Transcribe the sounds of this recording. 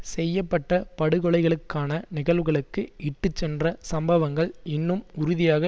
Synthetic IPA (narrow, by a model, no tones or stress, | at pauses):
sɛjːɐpːɐʈːɐpɐɽɯɣɔɭɐɪɣɐɭɯkːaːnɐnɪɣɐlʋɯɣɐɭɯkːɯɪʈːɯt͡ʃːɛndrɐsɐmbɐʋɐŋɡɐɭɪnːɯmʊɾʊðɪjaːɣɐ